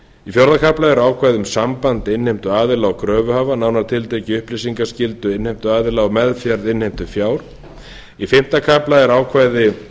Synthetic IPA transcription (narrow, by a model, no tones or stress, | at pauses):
ifjɔɾðakʰaplaɛɾaːwkʰvajðʏmsampant̪ɪnhejm̥t̪ʏaːðɪlawkʰɾœːvʏɦaːvanaːwnaɾt̪ʰɪlt̪ʰejcɪʏhplɪsiŋkascɪlt̪ʏɪnhejm̥t̪ʏaːðɪlawmɛðfjaɾðɪnhejm̥t̪ʏfjaːwɾ̥ | ifɪm̥t̪akʰaplaɛɾaːwkʰvaːjðɪ